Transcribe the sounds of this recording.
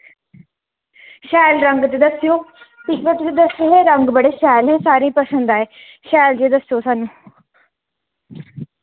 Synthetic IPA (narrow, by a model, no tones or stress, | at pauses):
ʃɛːlɾəŋɡt̪eːd̪əsɪjoːpɪʃbət̪d͡ʒed̪əseɦeːɾəŋɡbəɽeːʃɛːlɦeːsaːɾĩːpəsə̃nd̪aːeː | ʃɛːld͡ʒeːd̪əsjoːsaːnũː